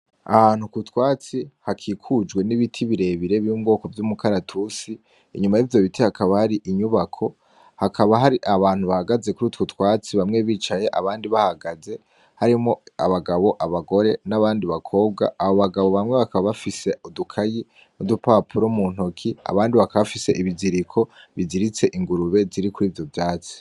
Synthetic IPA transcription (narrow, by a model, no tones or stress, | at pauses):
ahaːn̥ukutwaːt͡sihakʰiːkʰud͡ʒɡwe̞niβitʰiβiɾe̞βiɾe̞βjuːmɡo̞ːko̞vjumukʰaɾatʰusiː | ɲumajivjo̞βitihakʰaβahaɾiʔiɲuβakʰo̞ | hakʰaβaɦaɾiʔaβaːn̥huβahaɡaze̞kuɾuːtwutkwaːt͡siβamŋe̞βiːt͡ʃaje̞ʔaβaːndiβahaɡaze̞ | haɾimŋo̞aβaɡaβo̞ʔaβaɡo̞ɾe̞naβaːndiβakʰo̞ːb̚ɡa̰ːβoβaɡaβo̞βamŋe̞βakaβaβafise̞odukʰaji | nudupapʰuɾomun̥okʰia̰βaːndiβakaβafise̞ʔiβiziɾikʰo̞βiziɾit͡se̞ʔiŋɡuɾuβe̞ziɾikuɾiːvjo̞vjaːt͡si̥